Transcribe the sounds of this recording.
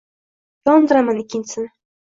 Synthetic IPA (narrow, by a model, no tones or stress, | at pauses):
jɒnd̪ɨɾamanɪkʲːɪnt͡ʃʰɪsɪnɪ